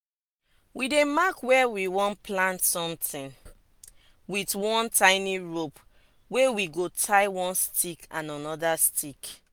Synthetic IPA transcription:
widemakwɛwiwɔ̃nplãntsɔ̃mtĩn | witwɔ̃ntãɪniɹop | wewiɡotʰaɪwɔ̃nstikʰãnanɔdastʰik

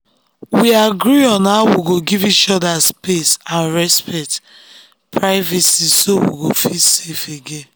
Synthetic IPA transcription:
wiaɡɹiɔ̃naʊwiɡoɡivit͡ʃɔdaspesãnɹɛspɛt | pʰɹaɪvisisowḭɡofisefeɡẽn

